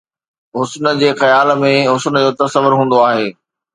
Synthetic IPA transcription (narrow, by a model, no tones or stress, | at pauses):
ɦʊsnəd͡ʑeːxɐjaːlmẽɦʊsnd͡ʑoːt̪ɐsəʋʊɾɦũːn̆d̪oaːɦeː